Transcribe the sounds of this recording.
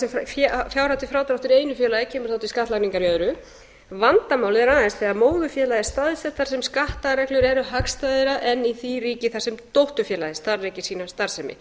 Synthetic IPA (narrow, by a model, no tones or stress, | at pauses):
sɛmfffjawɾawt̪ɪfɾaːwt̪ɾawht̪ʏɾeːjnʏfjɛːlajɪcʰɛːmʏ̥θawt̪ɪskaht̪laniŋkaɾjœðɾʏ | vant̪amaːwlɪðɛɾaːðɪnst̪θɛɣaɾmoːwðʏfjɛːlajɪst̪aːðsɛht̪ːaɾ̥sɛmskaht̪aɾɛhklʏɾɛɾʏɦakst̪ajðɪɾaʔɛnːiθiriːcɪθaɾ̥sɛmt̪owht̪ʏfjɛːlaðɪst̪aɾrejcɪ̥siːnast̪aɾ̥sɛmɪ̰